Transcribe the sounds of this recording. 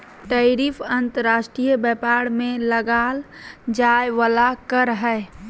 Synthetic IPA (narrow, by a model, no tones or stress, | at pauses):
ʈəɾiːfʰənt̪əɾaːʃʈɾijəbɛːpaːɽmẽləɡaːld͡ʒaːjʋəlakəɾɦɛː